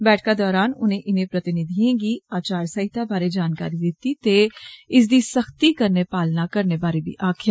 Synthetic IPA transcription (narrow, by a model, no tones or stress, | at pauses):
bɛːʈʰkad̪ɔːɾaːnʊ̰nɦẽʔɪnẽpɾɐt̪ɪnɪd̪ʱiẽɡiaːt͡ʃaːɾsɐɦɪt̪ʰabaːɾed͡ʒaːnka̰ːɾid̪ɪt̪it̪eɪs̬d̪isɐxt̪ikɐɾnepaːlnakɐɾnebaːɾebʱḭʔaːkʰjaː